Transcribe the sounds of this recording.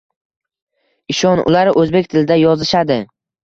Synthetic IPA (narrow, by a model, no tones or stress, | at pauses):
ɪʃɒnʊ̰laɾʔɵzbekʲt̪ʰɪlɪd̪ajɒzɪʃad̪ɪ